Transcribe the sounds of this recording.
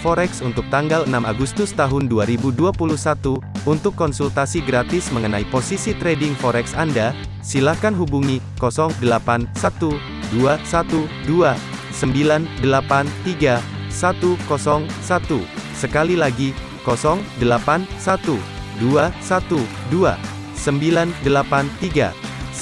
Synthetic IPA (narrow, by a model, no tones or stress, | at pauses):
fɔɾɛksunt̪ʊk̚t̪aŋɡalənamaɡust̪ʊst̪aɦʊnduaɾibuduapuluhsat̪uunt̪ʊkːɔnsult̪asiɡɾat̪ɪsməŋənaiposisit̪ɾedɪŋfɔɾɛksanda | silahkanɦubuŋi | kɔsɔŋdəlapansat̪u | duasat̪u | dua | səmbilandəlapant̪iɡasat̪ukɔsɔŋsat̪usəkalilaɡi | kɔsɔŋdəlapansat̪u | duasat̪u | dua̰ | səmbilandəlapant̪iɡa̰